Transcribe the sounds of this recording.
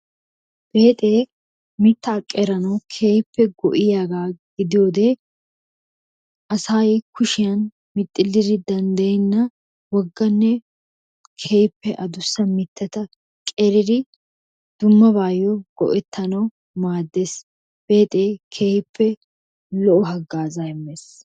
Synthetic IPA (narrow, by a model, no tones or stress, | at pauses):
b̥e̞ːt̪ʼeː | mɪt̪ːɐːkʼːeɾɐnɐwkʰeːjɪpːɛɡɔ̰ʔɪjaːɡaːɡ̥ɪd̪ɪjoːd̪eː | ʔɐsaːjkʊʃɪjɐn | mɪt̪ʼːɪlːɪɾɪd̪ɐnd̪ɐjɛnːɐ | wɔɡːɐnːɛ | kʰejɪpːɛʔɐd̪ʊsːɐmɪt̪ːɛt̪ɐ | kʼɛɾɪd̪ɪ | d̪̥ʊmːɐbaːjɔɡ̥ɔ̰ʔɛt̪ʰːɐnɐw | maːd̪ːes | b̥e̞ːt̪ʼeːkʰeːjɪpʰːɛ | lɔʔʊɦɐɡːaːzajɛmːeːs